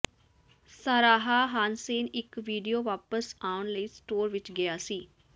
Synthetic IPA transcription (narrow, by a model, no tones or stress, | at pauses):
saɾaːɦaːɦaːnseːnɪkʋiːɖijoːʋaːpəsaːʊnləiːsʈoːɾʋɪt͡ʃɡɪjaːsiː